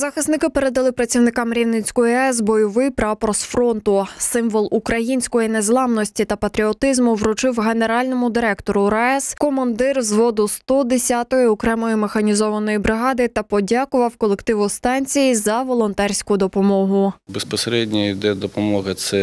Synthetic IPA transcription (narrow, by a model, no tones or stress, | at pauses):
zɐxɪsnɪkɪpeɾe̞d̪ɐlˠɪpɾɐt͡sʲiwnɪkɑmɾʲiwnɪt͡sʲkʊjɛzbɔjɔʋɪjpɾɑpɾɔsfɾɔnt̪ʊsɪmʋɔlˠukɾɐjinʲsʲkɔjinezlˠɑmnɔsʲtʲit̪ɐpɐt̪ɾʲiɔt̪ɪzmʊʋɾʊt͡ʃɪwɦe̞ne̞ɾɑlʲnɔmʊd̪ɪɾɛkt̪ɔɾʊɾɐɛskɔmɐnd̪ɪrzʋɔd̪ʊst̪ɔd̪esʲat̪ɔjiɔkɾɛmɔjimexɐnʲizɔʋɐnɔjibɾɪɦɑd̪ɪt̪ɐpɔdʲɑkʊʋɐwkɔlˠekt̪ɪʋʊst̪ɑnʲt͡sʲijizɐʋɔlˠɔnt̪ɛrʲsʲkʊd̪ɔpɔmɔɦʊbespɔseɾɛdʲnʲiid̪ɛd̪ɔpɔmɔɦɐsɛ